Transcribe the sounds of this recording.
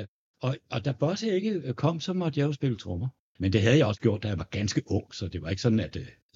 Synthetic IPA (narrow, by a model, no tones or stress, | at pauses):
ɒ̽ʔɒ̽d̥ɑb̥ɒsəe̝ɡ̥əkʰɒ̽m̰sɒ̽mɒ̽d̥jɑ̈osb̥e̝lət͡sʰʁɔmɐ | mend̥e̝ɦæð̞̩ˠjɑ̈ɒ̽sə̥ɡ̥jo̝ɐ̰d̥æjɑ̈ʋɑ̈ɡ̥ænsɡ̥əʔɔ̽ŋ̰sɒ̽d̥e̝ʋɑ̈e̝ɡ̥sɒ̽d̥n̩æd̥